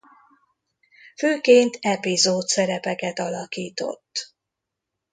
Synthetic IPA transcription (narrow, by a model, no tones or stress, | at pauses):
føːkeːnt̪ɛpizoːt̪sɛɾɛpɛkɛt̪ɒlɒkiːt̪o̞̰t̪ː